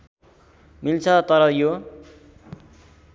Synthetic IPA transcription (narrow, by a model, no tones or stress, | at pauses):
milt͡sʰʌt̪ʌɾʌjo